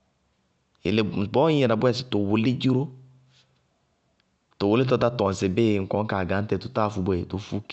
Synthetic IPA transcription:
ḛ˨le˨bɔ˦ɛ˨na˨bwɛ˦˨sɪ˨to˨wʊ˨le˦d͡ʒu˦ɾo˦ | to˨wʊ˨le˦t̬ɔ˦˧ta˦tɔ̃˨n˨sɪ˨be˦˨ŋ̩˨kɔ˨˦ŋ̩˦ka˨ɡa˨˦n̩˦tɛ˨to˨ta˦˨fu˧bʷɛ˨to˨fu˦k

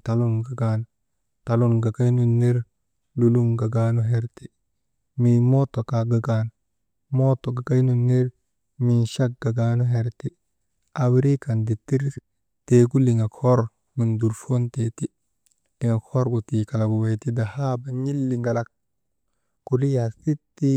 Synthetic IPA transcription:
talunɡa˨ɡan | talunɡa˨ka˦jnu˨nːeɾ | luluŋɡa˨ɡanu˦ɦeɾti | mimoto˨ka˨ɡa˨ɡan | mo˦to˨ɡa˨ka˦jnu˨nːeɾ | mi˨nʃa˦k̚ɡa˨ɡaːnuɦeɾti | awɾi˦ka˨ndi˨ti˦ɾ | teku˦liŋa˨kʰoɾ | mi˨ndu˨ɾfo˦nteti | li˨ŋa˨ko˦ɾɡutika˨la˨ɡu˨we˨jti˦da˨haba˨ɲi˦lːi˨ŋɡa˨lak̚ | kuli˦jasi˦tːi

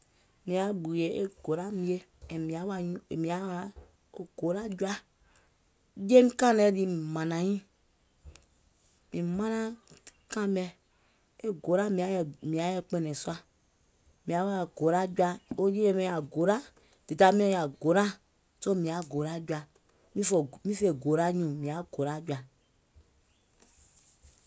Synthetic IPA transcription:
mĩ˨a˨ɡ͡bu˨je˨e˦ɡo˨ɾa˦mi˦e˦˨ | mĩ˨a˦wa˦i˦˨mĩ˨a˦wa˨ | o˨ɡ̥o˨ɾa˦d͡ʒu˦a˦ | je˦n˦kã˦nɛ˦di˦mi˨mã˨nã˨ɲĩ˦ | mĩ˨mã˦nã˦kã˦mɛ˨ | e˦ɡo˨ɾa˦mi˨˦˨mĩ˨a˨˦jɛ˦k͡pe˦nɛ˨sa˦ | mĩ˨a˨˦wja˨ɡo˨ɾa˦d͡ʒwa˦o˦d͡ʒe˦e˦me˦ja˨ɡo˨ɾa˦ | te˨ta˦mĩ˦o˦ja˨ɡo˨ɾa˦ | so˦mĩ˨a˨ɡo˨ɾa˦d͡ʒu˦a˨ | mĩ˦fɔ˨mĩ˦fe˨ɡo˨ɾa˦ɲũ˨mĩ˨a˨ɡ̥o˨ɾa˦d͡ʒu˦a˨

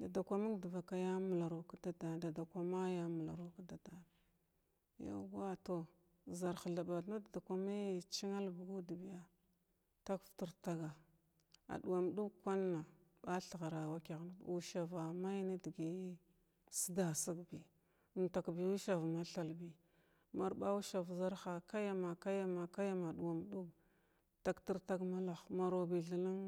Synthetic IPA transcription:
da˨da˨kʷa˦ma˦ɡdə˨va˨ka˦ja˦mu˨la˨ɾo˨ka˦da˦da˨da˨da˨kʷa˦ma˦ja˦mu˨la˨ɾo˦ka˦da˨da˨n˨ | ja̰˦ɡa˦to˦˨ | za˨ɾxa˨ɮa˨ba˨dna˦da˨da˨kʷa˨ma˦˨t͡ʃi˦ŋa˦lbi˨ɡu˦di˨bi˨ja˦ | ta˦kfti˦ɾta˦ɡa˨ | a̰˨du˨wa˨m˨˦du˦kʷa˦nːa˨ | ba˦ɬa˨ɣa˨ɾa˨wa˦ki˨ɣn̰˨u˦ʃa˨va˨ma˦jna˦dɡi˨˦ | si˦da˨si˦ɡbi˨ | nta˨kbi˨u˦ʃa˨va˨ma˦ɬa˨lbi˨ | ma˨ɾɓa˦u˦ʃa˨vza˦ɾxa˨ka˦ja˦ma˨ka˦ja˦ma˨ka˦ja˦ma˨du˨wa˨m˨du˦ɡ | ta˨kti˦ɾta˦ɡma˦la˨xma˨ɾo˨bi˨ɮi˨la˦ŋ

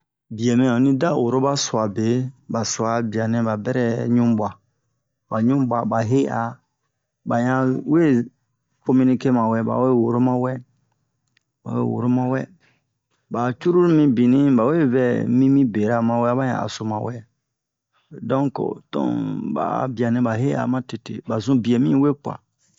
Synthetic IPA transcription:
bi˨ɛ˨mɛ̃˨ɔ̃˨nĩ˦da˦˨wo˨ɾo˦ba˦su˨a˨be˨˦ba˨sa˨bi˨a˨nɛ̃˦ba˨bɛ˦ɾɛ˦ɲũ˦ba˨ | ba˨ɲũ˦ba˨ba˨ɦe˦ʔa˨ | ba˨ɲã˦we˦ | ko˦mĩ˦nĩ˦ke˦mã˨wɛ˦˨ba̰˨we˦˨wo˨ɾo˦mã˦wɛ˦ | ba̰˨wḛ˦˨wo̰˨ɾo˦mã˦wɛ˦ | ba˨t͡ʃu˦ɾu˦mĩ˦bĩ˨nĩ˦ba˨we˦vɛ˦˨mĩ˦mĩ˦be˨ɾa˦mã˨wɛ˦a˦ba˦ɲã̰˨a̰˨so˨mã˨wɛ˦ | dɔ̃˦ŋko̰˨tɔ̰̃˦ba̰˨bi˨a˨nɛ̃˨ba˨ɦe˦a̰˨mã˦te˨tḛ˨ba˨zũ˦bi˨e˨mĩ˦we˦k͡pwa̰˨

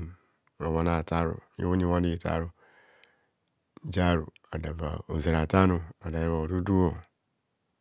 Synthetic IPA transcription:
o˨wa˨na˨ta˦ɾṵ˨ḭ˦wu˦ɲi˦wa˦n˦i˦˨ta̰˦ɾu˦ | d͡ʒa˦ɾu˨ | a˨da˨ba̰˨o˨ze˨ɾa˨ta˦nu˨a˨da˨ji˦βa˨o˨du˦du˦o˨

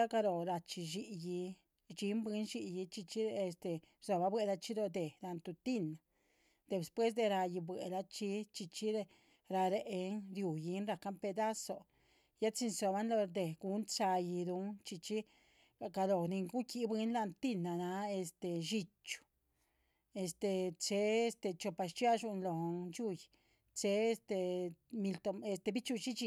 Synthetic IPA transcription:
a˦ka˧ɾo˨ɾa˧t͡ʃi˧ʃi˧ji˧ | t͡ʃi˧˦mbi˧˦nʃi˧ji˧t͡ʃi˧t͡ʃi˦e˧st̪e˨ | so˧ba˧bwe˧la˧t͡ʃi˦ɾo˧d̪e˨la˧nt̪u˧t̪i˦na˨ | d̪e˨spwe˦s̬d̪e˧ɾa˧ji˧bwe˨la˧t͡ʃi˧˦t͡ʃi˧t͡ʃi˦ɾe˧ | ɾa˧ɾe˧ʔe˧nɾju˨ji˧˦nɾa˧ka˦mpe˧d̪a˦so˧ | ja˦t͡si˧nso˧ba˦nlo˧d̪e˨ɡu˧˦nt͡ʃa˧ji˧d̪u˧˦nt͡ʃi˧t͡ʃi˦˧ | ɡa˧lo˨ni˧ŋɡu˦ki˧˦bwe˧˦nla˧nt̪i˧na˨na˧e˧st̪e˨ʃi˧t͡ʃu̥˧ | e˧st̪e˧t͡ʃe˦e˧st̪e˧t͡ʃo˧pa˧ʃt͡ʃja˦ʃu˧nlo˨nt͡ʃu˦j | t͡se˧e˧st̪e˧mi˧lt̪o˧e˧st̪e˧bi˦t͡ʃu˧t͡ʃi˦t͡ʃi˧

